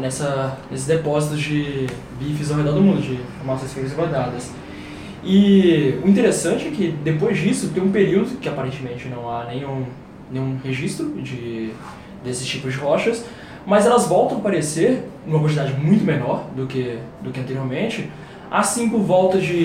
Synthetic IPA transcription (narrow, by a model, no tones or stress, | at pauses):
nɛsɐnesɪzd̪epɔzit̪ʊd͡ʒɪ | vifɪzawɦed̪ɔɾd̪ʊmũnd̪ʊd͡ʒɪ̃foɾmasõj̃sfẽjmɐzĩɡaɾd̪ad̪ɐs | ɪʊĩt̪̬eɾesɐ̃nt͡ʃɪɛkɪd̪epojzd͡ʒisʊt̪ẽj̃ũpeɾiwd̪ʊkɪapaɾẽnt͡ʃɪmẽnt͡ʃɪnɐ̃w̃anẽj̃ũ | nẽj̃ũheʒist̪ɾʊd͡ʒɪ | d̪esɪ̥st͡ʃipʊzd͡ʒɪɦɔʃɐs | mɐzɛlɐzvɔwˠt̪ɐ̃w̃apaɾeseɾnũmɐkwɐ̃t͡ʃɪd̪ad͡ʒɪmũj̃t̪ʊmenɔɾd̪ʊkɪd̪ʊkɪɐ̃nt̪eɾioɾmẽnt͡ʃɪ | asĩpʊɾvɔwt̪ɐd͡ʒɪ